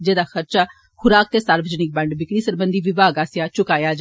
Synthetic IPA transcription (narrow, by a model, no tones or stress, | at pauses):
d͡ʒeːd̪aːxəɾt͡ʃaː | xʊɾaːkt̪eːsaːɾbəd͡ʒənɪk̚bə̃ɳɖbɪkɽiːsəɾbə̃nd̪ʱiːʋɪbaːɡaːsɪjaːt͡ʃʊkaːjaːd͡ʒ